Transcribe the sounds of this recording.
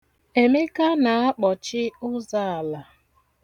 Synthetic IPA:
e˨me˦ka˦na˨a˦k͡pɔ˨t͡ʃɪ˦ʊ˦za˦˨a˨la˨

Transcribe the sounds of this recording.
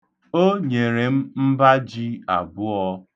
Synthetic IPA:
o˦ɲe˨ɾe˨m̩˦m̩˦ba˦d͡ʒi˦a̰˨bʊ˦ɔ˦

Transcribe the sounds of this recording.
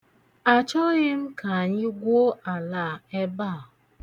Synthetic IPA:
a˨t͡ʃɔ˦ɣɪ˦m̩˦kʰa˨a˨ɲɪ˦ɡʷo˦a˨la˦˨e˦ba˦˨

